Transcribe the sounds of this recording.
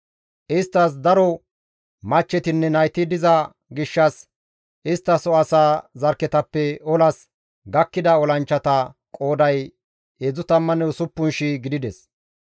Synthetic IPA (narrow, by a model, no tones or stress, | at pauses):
ʔɪst̪ːɐs̬d̪ɐɾɔ | mɐt͡ʃːɛt̪ɪnːɛnɐjt̪ɪd̪ɪzɐ | ɡɪʃːɐs | ʔɪst̪ːɐsɔɐsaːzɐɾkːɛt̪ɐpːɛɔlɐs | ɡɐkːɪd̪ɐɔlɐnt͡ʃːɐt̪ɐkʼo̞ːd̪ɐj | ezʊt̪ɐmːɐnɛʊsʊpːʊnʃiɡɪd̪ɪd̪ɛs